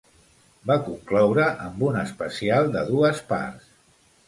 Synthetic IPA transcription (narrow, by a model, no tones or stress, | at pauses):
bakuŋklɔwɾəʔəmbunəspəsialˠd̪əðuəspa̰rs